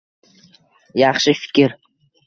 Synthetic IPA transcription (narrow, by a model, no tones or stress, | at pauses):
jɑχʃɪfɪ̥kʲɪɾ